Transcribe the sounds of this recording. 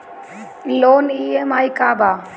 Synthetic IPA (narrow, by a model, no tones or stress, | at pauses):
loːniːemaːjkaːbaː